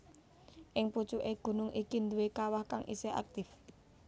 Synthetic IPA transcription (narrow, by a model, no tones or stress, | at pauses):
ʔɪŋput͡ʃuʔeɡ̥ṳnʊŋʔikind̪uwekawahkaŋʔḭsea̰k̚t̪ɪf